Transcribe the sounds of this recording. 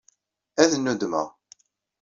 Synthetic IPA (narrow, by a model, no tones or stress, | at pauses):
æðənːud̪mə̰ʁ